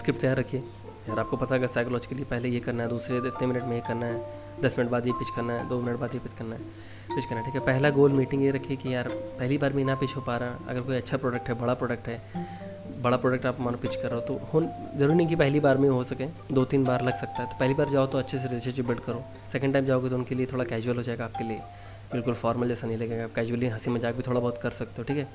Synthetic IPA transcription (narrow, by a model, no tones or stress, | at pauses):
skɾɪp̚t̪ejaːɾːɐkʰie | jaːɾaːp̚kopɐt̪aɡɐsaɪklɔːd͡ʒkeliepɛɦlejekɐɾnaɦɛd̪uːsɾeɪt̪nemɪnəʈmẽikɐɾnaɦɛː | d̪ɐsmɪnəʈ̚baːd̪jepɪt͡ʃʰkɐɾnaɦɛd̪oːmɪnəʈ̚baːd̪jepɪt͡ʃkɐɾnaɦɛ | pɪt͡ʃʰkɐɾnaɦʈʰikɦɛpɛɦlaɡoːlmiːʈɪ̃ŋɡjeɾɐkʰiekijaːɾpɛɦlibaːɾmẽɪnapiːt͡ʃʰɦopaːɾaɐ̰ɡəɾkoːiɐtːʃʰapɾoːɖək̚ʈɦɛbɐɽapɾoːɖek̚ʈɦɛː | bɐɽapɾoːɖək̚ʈaːpmaːɾopɪt͡ʃkɐɾːeɦot̪ohoːnzɐɾuːɾinĩŋkipɛɦlibaːɾmẽɦosɐkẽː | d̪oːt̪iːnbaːɾlɐɡsɐk̚t̪aɦɛt̪o̥pɛɦlibaːɾd͡ʒaːot̪oɐtːʃʰes̬eɾɪɪsəɾd͡ʒibɪlɖkɐɾoː | sɛkə̃ɳɖʈaːɪmd͡ʒaːoɡet̪oʊnkeliet̪ʰoːɽakɛːd͡ʒuəlɦoːd͡ʒaːeɡaːp̚keliḛ | bɪlkʊlfɔːɾməld͡ʒɛːsanɐɦĩlɐɡeːɡaːp̚kɛːd͡ʒuʋəliɦɐsimɐd͡ʒaːk̚bʱit̪ʰoːɽabɔːt̪kɐɾsɐk̚t̪eoʈʰiːkɦɛː